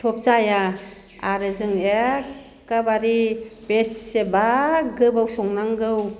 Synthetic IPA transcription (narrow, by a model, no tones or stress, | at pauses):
tʰɔp̚zaja | aɾɯzɯŋe | kabaɾibesːebaɡɯbawsɔŋnaŋɡɯw